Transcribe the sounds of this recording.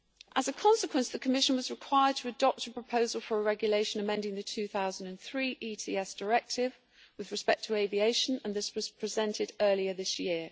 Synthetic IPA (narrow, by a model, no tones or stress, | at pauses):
ʔəzəkʰɒ̃nsɪkʰwə̃nsðəkʰəmɪʃə̃nwɒzɹɪkʰw̥aɪəd̚tʰəːdɒp̚tʰəpʰɹ̥əpʰəʊzəlˠfəɹəɹɛɡjəleɪʃə̃nəmɛ̃ndɪ̃ŋðətʰʉːθaʊzə̃ndə̃nθɹiːʔiːtʰḭːɛsd̥əɹɛk̚tɪv | wɪðɹɪspɛk̚tʰəeɪvieɪʃə̃nə̃nðɪswɒz̥pʰɹ̥ɪzɛ̃ntʰɪdɜːliəðɪsjɪə